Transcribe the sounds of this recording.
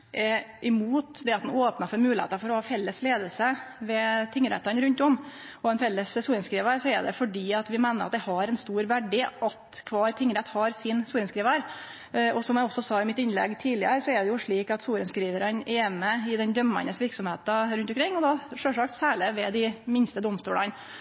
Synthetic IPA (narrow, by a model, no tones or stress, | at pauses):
ʔɛʔɪmuːt̪d̪ɛɑt̪̚d̪noːpnɑfɔɾmʉːlɪhḛːt̪ɑfɔɾɔhɑːfɛlːəsleːd̪əlsəʋɛt̪ʰɪŋːɾɛ̰t̪ːɑnɾʉnt̪ɔm | ɔɛnfɛlːəssuːɾənskɾiːʋəɾsɔɛɖ̪ɛ̰fɔɖiːɑt̪ʋɪmæɪnəɾʔɑ̰t̪d̪ɛhɑɾɛnst̪uːɾʋæɖːɪʔɑt̪kʰʋɑːɾt̪ʰɪŋːɾɛt̪ːhɑɾsɪnsuːɾənskɾiːʋæɾ | ɔsɔmjæɔsːɔsɑːɪmɪt̪ɪnlɛ̰ɡːt̪ʰiːlɪəɾsɔɛɖɛjʊʂɭiːkɑt̪suːɾənskɾiːʋəɾənʔɛːnəɪd̪ɛnd̪œmːɑ̰nəsʋɪɾksɔmheːt̪ɑɾʉnt̪ɔmkɾɪŋːɔd̪ɑʂøːʂɑkt̪sæːɭɪʋɛd̪ɪmɪnst̪əd̪ʊmst̪uːlɑ̰n